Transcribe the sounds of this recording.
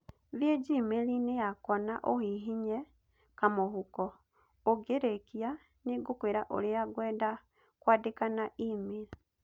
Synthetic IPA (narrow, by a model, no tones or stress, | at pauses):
βjeɟimelinejakɔnaʔohiɦiɲe | kamohukɔ | oɡeɾekia | niɡukweɾaʔo̰lijaɡweːda | kwaːdekanaʔimeɾi